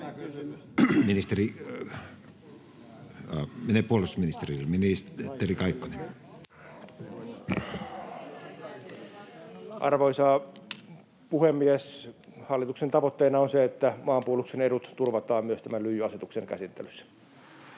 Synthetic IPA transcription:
minist̪eri | meneˑpuolusminist̪eriminist̪ːerikɑikːone | ʔɑ̰rʋoisɑ | puhemːieshɑlːit̪uksent̪ɑʋot̪ːeːnɑonseet̪ːæmɑːmpuolukseneɾut̪t̪urʋɑt̪ˑɑːmmyøst̪æmænlyjːyɑset̪ukseŋkæ̰sit̪ːḛlysːæ̥

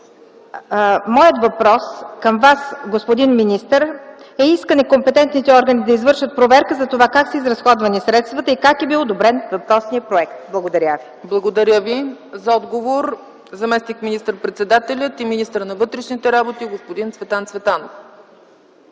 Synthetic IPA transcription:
mɔjət̪vɐpɾɔskəmvasɡospod̪inminist̪əɾɛiskənɛkompɛt̪ɛnt̪nit̪ɛɔɾɡənid̪ɐizvɤɾʃət̪̚pɾovɛɾkəzɐt̪ovakaksəizɾɐsxɔd̪vɐnisɾɛt̪st̪vɐt̪əikakɛbilˠod̪obɾɛnvɐpɾɔsnijəpɾoɛkt̪blˠɐɡod̪ɐɾʲaviblˠɐɡod̪ɐɾʲjəvizɐɔd̪ɡovoɾ | zɐmɛsnikminist̪əɾpɾɛt̪sɛd̪at̪ɛlʲət̪iminist̪əɾnɐvɤt̪ɾɛʃnit̪ɛɾabot̪iɡospod̪int̪vɛt̪ˠant̪svɛt̪anof

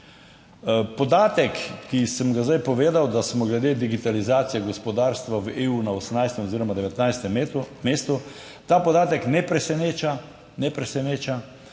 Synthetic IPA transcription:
pɔd̪aːt̪ɛkːisəmɡazd̪ajpɔʋeːd̪awd̪asmɔɡlɛd̪eːd̪iɡit̪alizaːt̪sijɛɡɔspɔd̪aːɾst̪ʋaʋeːunaosmnajst̪ɛmɔziːɾɔmad̪ɛʋɛt̪najst̪ɛmmeːst̪u | t̪aːpɔd̪aːt̪ɛknɛpɾɛsɛneːt͡ʃa | nɛpɾɛsɛneːt͡ʃa

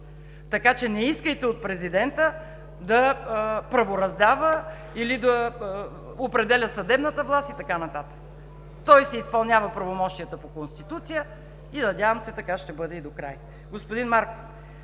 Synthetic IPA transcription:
t̪ɐkat͡ʃɛnɛiskəjt̪ɛot̪̚pɾɛzid̪ɛnt̪ə | d̪ɐpɾɐvoɾɐzd̪avə | ilid̪ɐ | opɾɛd̪ɛlʲəsɐd̪ɛbnət̪əvlˠast̪it̪ɐkanɐt̪at̪ə̥k | t̪ɔjsɛispɐlˠnʲjavəpɾɐvomɔʃt̪ijət̪əpokonst̪it̪ut̪sijə | inɐdʲjavəmsɛt̪ɐkaʃt̪ɛbɤd̪ɛid̪okɾa̰j | ɡospod̪inmaɾkof

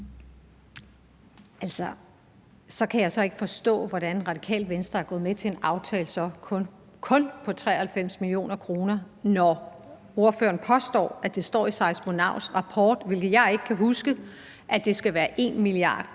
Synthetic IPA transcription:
ælsɒ | sɒ̽kʰæjɑ̈ɪsɒ̽e̝ɡ̥əfɒ̽sd̥ɔ̰̽ːʋɒɾæne̝nʁɑ̈d̥ikʰɛ̰ːlʋensd̥ɐæɐɡ̥ɔ̽ːðˠmet͡sʰe̝e̝nɑ̈ʊt͡sʰɛːlsɒ̽ | kʰɔ̽npʰɒ̽t͡sʰʁɛ̰ːɐhælfem̰smilio̝̰ːnɐkʰʁo̝ːnɐ | nɒ | o̝ɐfø̰ːɐn̩pʰɒ̽sd̥ɒ̰ːæd̥e̝sd̥ɒ̰ːisɑ̈ɪsm̥onɑ̈ʊ̰sʁɑ̈pʰɒ̰ːd̥ʋe̝lɡ̥ð̩ˠjɑ̈ɪe̝ɡ̥əkʰæɦusɡ̥ə | ʔæd̥e̝sɡ̥æʋæːɐʔe̝̰nmiliɑ̰̈ːd̥

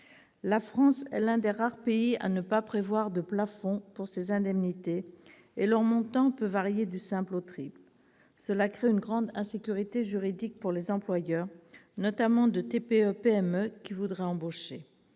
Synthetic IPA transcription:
lafχɑ̃sɛ̰lɛ̃d̪eʁaʁpeia̰nəpapχevwaʁd̪əplafɔ̃puʁsezɛ̃d̪ɛmnit̪eː | lœʁmɔ̃t̪ɑ̃pøvaʁjed̪ysɛ̃plot̪χibl | səlakχeynɡʁɑ̃d̪ɛ̃sekʲyʁit̪eʒyʁid̪ik̚puʁlezɑ̃plwajœʁnɔt̪amɑ̃d̪ət̪epeøpeɛmøkʲivud̪ʁɛɑ̃boʃe

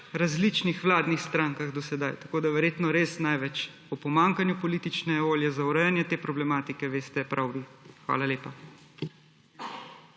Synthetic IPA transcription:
ɾazlit͡ʃnixʋlaːd̪nixst̪ɾaːŋkaɣd̪ɔsɛd̪ajt̪ḁkoːd̪aʋɛɾjeːt̪nɔɾeːsnajʋɛt͡ʃ | ɔpɔmaːŋkanjupɔliːt̪it͡ʃnɛʋoːljɛzauɾɛjanjɛt̪eːpɾɔblɛmaːt̪ikɛʋeːst̪ɛpɾʔawʋixʋa̰ːlaleːpa

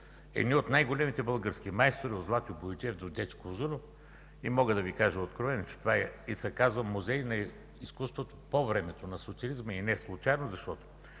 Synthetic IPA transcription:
ɛ̰d̪nʲiot̪najɡolɛmit̪ɛbəlˠɡəɾsk̟imajst̪oɾiod̪zlˠat̪jobod͡ʒ̪ʲɛvd̪od̪ɛt͡ʃkozɨno | imɔɡəd̪ɐvikaʒəot̪kɾovɛnot͡ʃɛ̥t̪ovaɛisɛkazvɐmːuzɛjnɐ | iskust̪vot̪o̥povɾɛmɛt̪onɐsot̪siɐlizməinɛslˠʊt͡ʃajnozɐʃt̪ɔt̪o̥

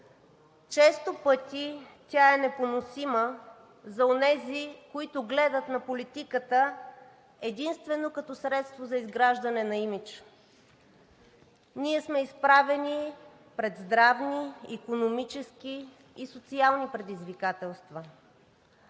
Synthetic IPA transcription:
t͡ʃɛst̪opɤt̪ʲit̪ʲaɛnɛponosimə | zɐonɛzikoit̪ʊɡlɛd̪ət̪nɐpolit̪ikət̪ə | ɛd̪inst̪vɛnokɐt̪ɔsɾɛt̪st̪vozɐizɡɾaʒd̪ɐnɛnɐimit͡ʃ | niɛsmɛispɾavɛnʲi | pɾɛd̪zd̪ɾavniːkonomit͡ʃɛskiː | sot̪sialˠnipɾɛd̪izvikat̪ɛlˠst̪və

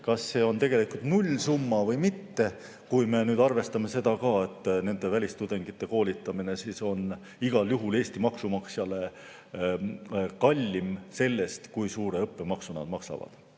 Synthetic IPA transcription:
kɑsːe̞ːo̞nt̪e̞ɡ̥e̞likult̪nulʲsumːɑvɤjmit̪ːe̞ | kujme̞nyːd̪ɑrve̞st̪ɑme̞se̞d̪̥ɑkɑːe̞t̪ːˑne̞nd̪̥e̞vælʲist̪ud̪eŋɡ̥it̪ːe̞ko̞ːlʲit̪ːˑɑmine̞siːso̞n | iɡ̥ɑljuɦule̞ːsʲt̪imɑksumɑksjɑle̞ | kɑlʲːimse̞lːe̞st̪kujsuːɾe̞ɤpːe̞mɑksunɑd̪mɑksɑ̰vɑ̰d̪̥

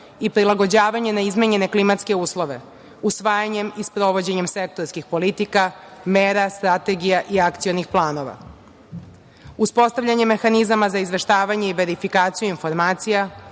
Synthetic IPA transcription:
ipɾilˠaɡo̞d͡ʑaːʋaɲenaizmeɲe̞ne̞klimat̪ske̞uːslo̞ʋe̞ | usʋaːjaɲe̞mispɾo̞ʋo̞d͡ʑe̞ɲe̞mse̞k̚t̪oɾskixpo̞lit̪ikameːɾast̪ɾat̪e̞ɡijaʔiakt̪sijo̞nixplˠaːno̞ʋa̰ | uspo̞st̪aʋʎʲaɲemːexanizamazaizʋe̞ʃt̪aːʋaɲeiʋe̞ɾifikaːt̪sijuinfo̞ɾmaːt̪sija

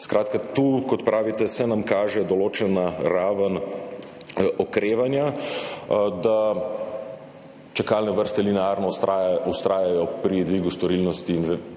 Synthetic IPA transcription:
skɾaːt̪kat̪uːkɔt̪pɾʔaːʋit̪ɛsɛnamkaːʒɛd̪ɔloːt͡ʃɛnaɾaːʋən | ɔkɾeːʋanja | d̪a | t͡ʃɛkalnɛʋəɾst̪ɛlinɛaɾnɔajust̪ɾaːjajɔpɾid̪ʋiːɡust̪ɔɾilnɔst̪iːnʋ

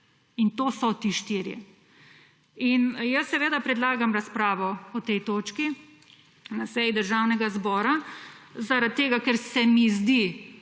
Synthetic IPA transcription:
int̪oːsɔt̪iʃt̪iːɾjɛ̰ | injəsːɛʋeːd̪apɾɛd̪laːɡamɾaspɾaːʋɔɔt̪ɛjt̪oːt͡ʃki | nasɛjid̪əɾʒawnɛɡazbɔːɾazaɾat̪ːeːɡakɛɾsɛmizd̪i

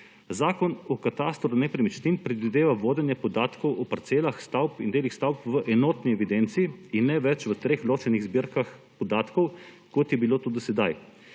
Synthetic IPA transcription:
zaːkɔnɔkat̪ast̪ɾɔɾunɛpɾɛmit͡ʃt̪impɾɛd̪ʋid̪eːʋaʋoːd̪ɛnjɛpɔd̪aːt̪kɔwʔɔpaɾt̪seːlaxst̪awpind̪eːlixst̪awpʋəʔɛnoːt̪niɛʋid̪ɛnt̪siiinːɛʋɛt͡ʃʋət̪ɾeːxloːt͡ʃɛniɣzbiɾkaxpɔd̪aːt̪kɔw | kot̪jɛbiloːt̪ud̪isɛd̪aj

